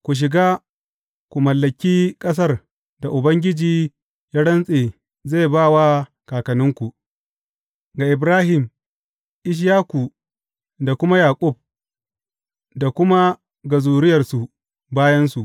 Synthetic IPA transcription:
kʷu˨ʃ̬ɪ˨ɡaː˦ | kʷu˨mɐ˨lːɐ˨kʲiː˦kʼɐ˦s̬ɐ˦˨r | da˨ʔʊ˨bɐ˦ŋɡʲɪ˦d͡ʒiː˨ | jaː˦ɽɐ˦nsʼeː˨ | ze˦˨baː˦˨wa˦ | kaː˨kɐ˨nʊ˦ŋkʷu˨ʔ | ɡa˨ʔɪ˨bɾaː˦hɪ˨m | ʔɪ˦ʃ̬jaː˦ku˨ | da˨kʷʊ˦ma˦jaː˨kʷʼʊ˦˨b̚ | da˨kʷʊ˦ma˦ | ɡɐ˨zuː˨ɾɪ˦jɐ˨rsu˨ | baː˦jɐ˦nsu˨ʔ

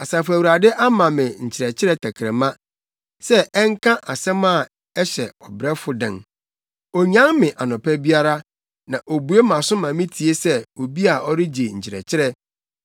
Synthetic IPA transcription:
a˨sa˨fæ˨wu˨ɾa˨dɪ˦ʔa˦mã˨mɪ̃˨ɲ̩˨t͡ɕʰɪ˨ɾɛ˨t͡ɕʰɪ˦ɾɛ˦tʰæ˨kʰɾɛ˨mã˦ | sɛ˦ɛ˦ŋkʰã˦ʔa˨sɛ̃˦mã˦˨ | ɛ˦ɕɛ˨ɔ˨bɾɛ˦fʊ˦dɪ̰̃˨ŋ | ɔ˨ɲã˦ŋmɪ̃˨ʔa˨nʊ̃˨pʰɛ˦bi˦a˦ɾa˦ | nã˨ʔo˨bu˨e˦mã˨sʊ˦mã˨mɪ̃˦tʰi˨e˦sɛ˦o˨bi˦a˨ɔ˦ɾɪ˦d͡ʑe˨ɲ̩˨t͡ɕʰɪ˨ɾɛ̰˨t͡ɕʰɪ˦ɾɛ˦

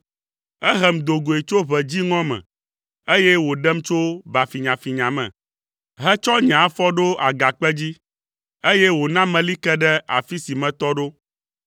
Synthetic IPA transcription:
ɛ˦ɦɛ˨m˨d̪o˨ɡo˨e˨t͡ʃo˦βɛ˨d͡ʑi˦ŋɔ̃˦mɛ̰̃˨ | e˦jɛ˦wo˨ɖɛ˦mt͡ʃo˦ba˨fi˨ɲã˨fi˨ɲã˨mɛ̰̃˨ | ɦɛ˦t͡ʃɔ˦ɲã˨˦fɔ˦ɖo˦a˨ɡa˨k͡pɛ˦d͡ʑi˦ | e˦jɛ˦wo˨nã˦mɛ̃˨li˦kɛ˦ɖɛ˦a̰˨fi˦si˨mɛ̃˨t̪ɔ˦ɖo˦

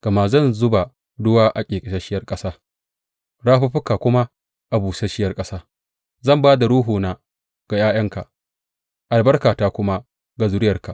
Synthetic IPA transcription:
ɡ̥ɐ˨ma˨zɐ˦˨nzʊ˦ba˨ | dʊ˦waː˦ʔa˨kʲʼeː˨kʼɪ˨ʃɐ˦ʃɪ˦jɐ˦rkʼɐ˦saː˦ | ɽaː˦ɸɐ˦ɸʊ˦kaː˨kʷʊ˦ma˦ | ʔa˨buː˨sɐ˦ʃɪ˦jɐ˦rkʼɐ˦saː˦ | zɐ˦˨mbaː˦da˨ɾuː˦ɦuː˨na˨ | ɡ̥a˨jaː˦jɐ˦ŋka˨ | ʔa˨lbɐ˦rkaː˨taː˦kʷʊ˦ma˦ | ɡa˨zʊ˦ɽɪ˦jɐ˨rka˨ʔ

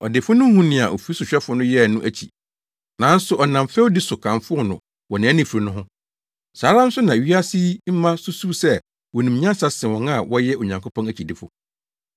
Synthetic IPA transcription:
ɔ˨dɪ˨fʊ˦nʊ̃˦hũ˦nɪ̃˨a˨ʔo˨fi˨˦i˦sʊ˨ɕᶣɛ˦fʊ˦nʊ̃˦jɛ˦˨nʊ̃˦ʔæ˦t͡ɕʰḭ˨ | nã˨˦n̩˦sʊ˨ʔɔ˨nã˨m˨fɛ˦wdɪ˦sʊ˨kʰã˨ɱfʊ˦ɔ˦˨nʊ̃˨ | wɔ˨nã˨æ˦nɪ̃˦fu˨ɾi˨nʊ̃˦ɦʊ̃˦ | saː˨˦ɾã˦n˦sʊ˦nã˨ɥi˦a˦si˦m̩˦mã˦sʊ˦su˦sɛ˦ | wɔ˨nĩ˨ɲã˦sa˦sɪ̃˨wɔ̃˦na˦˨wɔ˦jɛ˦o˨ɲã˨ŋkʰo˦pʰɔ̃˦næ˨t͡ɕʰi˨dɪ˦fʊ̰˨

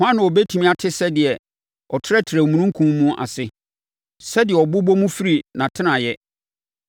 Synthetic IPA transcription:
hã˦nã˨ɔ˨bɛ˦tʰi˨mĩ˦a˨tʰɪ˦sɛ˦dɪ˨ɛ˨ | ɔ˨tʰɪ˦ɾɛ˦tʰɪ˨ɾɛ˨mũ˨nũ˦ŋ̩˦kʰũ˦m˦mũ˦ʔa̰˨sɪ˦ | sɛ˦dɪ˨ɛ˨ɔ˨bʊ˦bɔ˦mũ˦fi˦ɾi˨nã˨tʰɪ̃˦nã˨jɛ˦

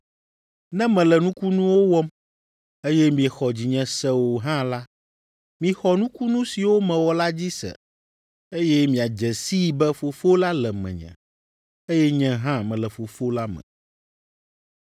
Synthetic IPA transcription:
nɛ̃˦mɛ̃˨lɛ˨nũ˦ku˦nũ˦wo˦wɔ˦m | e˦jɛ˦mĩ˨ɛ˨xɔ˨d͡ʑi˨ɲɛ̃˨sɛ˦wo˨ɦã˦la˦ | mĩ˨xɔ˨nũ˦ku˦nũ˦si˨wo˦mɛ̃˨wɔ˨la˦d͡ʑi˦sɛ̰˨ | e˦jɛ˦mĩ˨a˨d͡ʒɛ˨si˦bɛ˦fo˨fo˦la˦lɛ˨mɛ̰̃˨ɲɛ̰̃˨ | e˦jɛ˦ɲɛ̃˦ɦã˦mɛ̃˨lɛ˨fo˨fo˦la˦mɛ̰̃˨

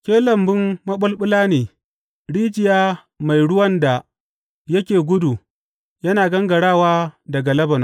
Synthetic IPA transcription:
kʲeː˦lɐ˨mbɪ˦mːɐ˦ɓʊ˦lɓʊ˦laː˦neː˨ | ɽiː˦d͡ʒɪ˨jaː˦ | ma˨jɽʊ˦wɐ˦nda˨ | jɐ˦kʲeː˨ɡʷʊ˦du˨ | jɐ˦naː˨ɡɐ˦ŋɡɐ˨ɽaː˦˨waː˦dɐ˨ɡa˨lɐ˦bɐ˨na˦

